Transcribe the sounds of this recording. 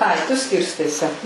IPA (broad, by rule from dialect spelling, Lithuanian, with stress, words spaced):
ˈɐɪ tʊ ˈsʲkʲɪrstɐɪ sʲɛ